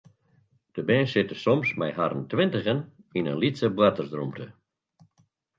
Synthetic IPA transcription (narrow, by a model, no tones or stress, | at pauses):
d̥əbɛ̃ːnsɪtəsɔmsmɛjɦaɾə̰ntʋɪntəɣən | inənlitsəbwatərsdrumtʰə